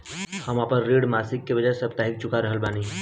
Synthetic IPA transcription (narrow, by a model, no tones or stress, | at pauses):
həmaːpəɾːeːɽmaːsɪkːebɐd͡ʒaːesəbt̪aːɦɪk̚t͡ʃʊkaɾəɦəlbaːni